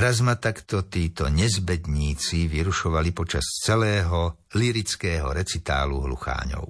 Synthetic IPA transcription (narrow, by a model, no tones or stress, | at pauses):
ɾazmat̪akt̪ɔt̪iːt̪ɔɲɛzbɛd̪ɲiːt͡siʋiɾuʃɔʋalipɔt͡ʃa̰st͡sɛlɛːɦɔ | liɾit͡skɛːɦɔɾɛt͡sit̪a̰ːlṵɦlṵxa̰ːɲɔ̰ʊ